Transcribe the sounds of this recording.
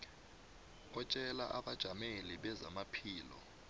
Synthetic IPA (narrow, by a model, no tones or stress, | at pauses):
ɔt͡ʃʼɛla̰ʔaɓad̥ʒ̥ʱameliɓɛzamapʰiːlɔ̰